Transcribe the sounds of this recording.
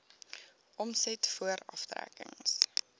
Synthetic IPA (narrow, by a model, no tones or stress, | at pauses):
ʔɔmsɛtfuəɾɐ̰ftɾæ̰kə̰ŋs